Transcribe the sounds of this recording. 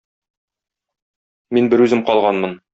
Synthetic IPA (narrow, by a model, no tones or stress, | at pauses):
minbɘɾʉzɘmqɒlˠʁɑnmɤn